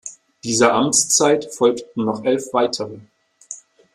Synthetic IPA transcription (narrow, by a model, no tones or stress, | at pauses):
d̥iːzɐʔamt͡st͡saɪtfɔlktn̩nɔχʔɛlfv̥aɪtʰəʁə